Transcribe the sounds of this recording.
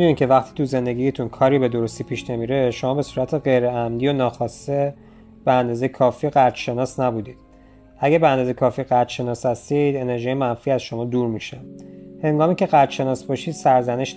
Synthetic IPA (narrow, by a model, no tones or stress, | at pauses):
d̪uniːcʰe̞væxt̪ʰi̥ːt̪uze̞nd̪e̞ɟʲijet̪ʰunkʰɒːɾiːbe̞d̪o̞ɾost̪ipʰiːʃne̞miːɾe̞ʃomɒːbe̞suːɾæt̪ʰeɣe̞jɾeæmd̪iːonɒːxɒːse | b̥eænd̪ɒːzejekʰɒːfiːɢæɾt̪ʃe̞nɒːsnæbud̪iːd̪̥̚ | ʔæɟæbeænd̪ɒːzejkʰɒːfiɢæɾt̪ʃe̞nɒːshæst̪id̪e̞ne̞ɾʒiːjemænfiːæzʃo̞mɒːd̪uːɾmiʃæmhe̞ŋɡɒːmicʰeɣæɾt̪ʃe̞nɒːsbɒʃiːd̪̥sæɾzæneʃ